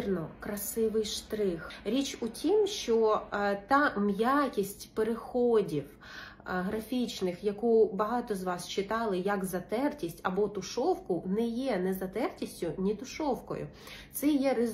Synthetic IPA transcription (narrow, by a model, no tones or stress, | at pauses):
rnɔkɾɐsɪʋɪjʃt̪ɾɪxɾʲit͡ʃʊtʲimʃt͡ʃɔt̪ɑmjakʲisʲtʲpeɾexɔdʲiw | ɦɾɐfʲit͡ʃnɪxjɐkubɐɦɑt̪ɔzʋɑst͡ʃɪt̪ɑlˠɪjɐkzɐt̪ɛrtʲisʲtʲɐbɔt̪ʊʃɔwkʊnɛjɛnɛzɐt̪ɛrtʲisʲtʲʊnʲit̪ʊʃɔwkɔ̰jʊ̰ | t̪sɛjɛɾɪ